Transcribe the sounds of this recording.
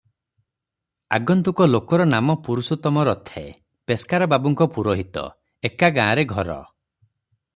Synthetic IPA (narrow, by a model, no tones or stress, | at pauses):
aɡɔnt̪ukɔlokɔɾɔnamɔpuɾusut̪ɔmɔɾɔt̪ʰḛ | peskaɾɔbabɔŋkɔpuɾoɦit̪ɔ̰ | ekaɡãːaɾeɡʱɔɾɔ̰